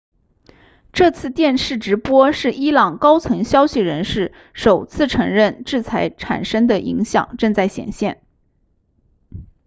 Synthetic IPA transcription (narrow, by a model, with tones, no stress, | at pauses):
ʈ͡ʂɤ˥˧t͡sʰɹ̩˥˧t̪jɛ˥˧nʂɻ̩˥˩ʈ͡ʂɻ̩˧˥pwɔ˥ʂɻ̩˥˩i˥lɑ˨˩ŋkɑ˥ʊt͡sʰwə˧˥ŋɕjɑ˥ʊɕi˨ɻə˧˥nʂɻ̩˥˩ | ʂo˨˩ʊt͡sʰɹ̩˥˩ʈ͡ʂʰɤ˧˥ŋɻə˥˧nʈ͡ʂɻ̩˥˩t͡sʰa˧˥ɪʈ͡ʂʰa̰˨˩nʂə˥ŋd̪ə˨ʔḭ˧˥ŋɕjɑ̰˨˩ŋʈ͡ʂɤ˥˧ŋt͡sa˥˩ɪɕjɛ̰˨˩nɕjɛ˥˩n